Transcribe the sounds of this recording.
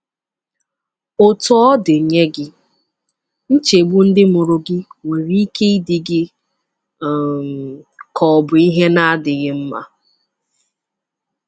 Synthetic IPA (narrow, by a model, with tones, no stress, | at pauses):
o˨tɔ˦dɪ˨ɲe˦ɡɪ˦ | n̩˦t͡ʃe˨ɡ͡bu˦n̩˦dɪ˦mʊ˨ɾʊ˨ɡɪ˦ŋe˨ɾi˦i˦kʰe˦i˦dɪ˦ɡɪ˦˨ | m˨kʰɔ˨bʊ˨i˦ɦe˦na˦a˦dɪ˨ɣɪ˦m̩˦ma̰˦